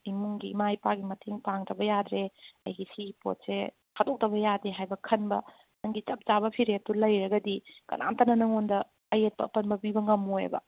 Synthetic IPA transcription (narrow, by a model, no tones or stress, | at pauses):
imuŋɡimajpaɡimɐtʰeŋpaŋdɐbɐjad̪ɾeɐ̰jɦisipo̰t̚se | kʰadok̚dɐbɐjadeɦajbɐkʰɐnbɐ̰ | nɐŋɡit͡ʃɐp̚t͡ʃabɐpʰiɾetulɐjɾɐɡɐdikɐ̰na̰ntɐnɐnɐŋondɐː | jet̚pɐ̰ɐpɐnbɐbibɐŋɐmojbɐ̰